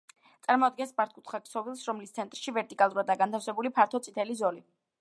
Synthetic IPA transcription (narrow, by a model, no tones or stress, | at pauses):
t̪sʼaɾmɔad̪̚ɡɛnsbaɾt̪̚ʰkʼut̪ʰχaksɔvilˠsɾɔmlist̪sʰɛnt̪ʼɾʃivɛɾt̪ʼikʼalˠuɾad̪aɡant̪ʰafsɛbulipʰaɾt̪ʰɔt̪sʼit̪ʰɛlizɔli